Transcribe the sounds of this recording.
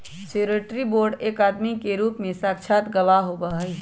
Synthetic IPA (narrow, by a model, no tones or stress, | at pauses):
seːɾeʈɾiboːɾɖeːkaːd̪mikeɾuːpmẽsaːkt͡ʃʰaːt̪ɡɐʋaɦobaɦi